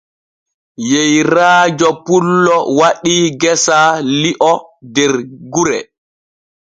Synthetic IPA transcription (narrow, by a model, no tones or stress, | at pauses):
jejɾaːd͡ʒɔpulːɔwaɗiɡɛsaliʔɔdɛɾɡuɾɛ